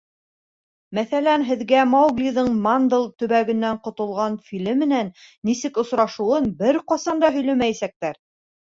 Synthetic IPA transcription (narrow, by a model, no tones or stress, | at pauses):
mæθælænɦɘ̆ðɡæmɑwɡlʲiðɤɴmand̪ɤlˠt̪ɵ̆βæɡɘ̆nːæɴqŏt̪ŏlˠʁɑnfʲilɘmːɘ̆nænːisɘkŏsɾɑʃŭwɤnbɘɾqɑsɑnd̪ɑɦɵ̆jlæmæjæsæk̚t̪æɾ